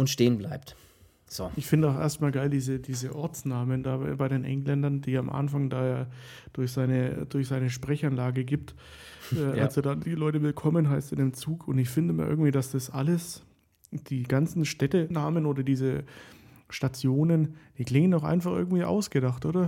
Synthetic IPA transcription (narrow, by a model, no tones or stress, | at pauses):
ʔʊntʃteːənbla̰ɪpt | z̥o̰ːʔɪçfɪndəaʊxʔḛɐstmaːlɡaɪldiːzədiːzəʔɔɐt͡snaːməndaːbaɪɾeːnʔɛ̰ŋlɛndɐnd̥iːamʔa̰nfaŋdaːjaː | d̥ʊɐçz̥aɪnəd̥ʊɐçz̥aɪnəʃpʁ̥ɛçanlaːɡəɡiːp̚t | ʔɛːʔalzodadiːlɔʏtəvɪlkʰɔmənɦaɪstɪndɪːmt͡suːkʰʊntɪçfɪndəɪmɐʔɪ̰ɐɡŋ̩tv̥iːdasd̥asʔa̰ləs | d̥iːɡant͡sn̩ʃtɛtənaːmənoːdɐdiːzə | ʃtat͡sjoːnənd̥iːkl̥ɪŋəndaʊxa̰ɪnfaχʔɪɐɡŋ̩tv̥iːʔa̰ʊsɡ̥ədaχtʔoːdɐ